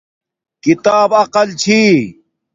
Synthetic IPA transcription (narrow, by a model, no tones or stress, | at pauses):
kit̪aːbɐqɐlt͡ɕʰiː